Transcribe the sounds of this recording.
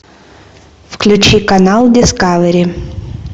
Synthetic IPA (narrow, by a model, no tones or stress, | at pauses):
fklʲʉt͡ɕikɐnalˠdʲɪskavəɾʲi